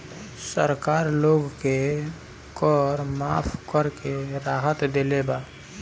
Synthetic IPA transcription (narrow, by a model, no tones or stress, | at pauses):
səɾkaːɾloːɡke | kɔːɾmaːpʰkəɾkeɾaːɦət̪d̪elebaː